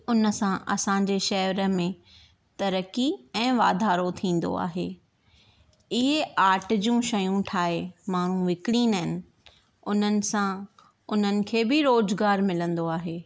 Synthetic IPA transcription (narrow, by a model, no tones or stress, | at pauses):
ʊnə̆sãʔɐsãːɲd͡ʑeʃɐɦʋɾə̆mẽ | t̪ɐɾəkiɛ̃ːʋaːd̪ʱaːɾot̪ʰĩːn̆d̪o̰a̰ːɦḛː | ɪɦeaːɾʈd͡ʑũʃɐjũʈʰaːɦemaːɳ̤ũʋɪkɽiːnəɦɪnɪ̆ | ʊn̤ənɪ̆sã | ʊn̤ənɪ̆kʰeːbɪɾoːzɡaːɾmɪlə̃nd̪oaːɦeː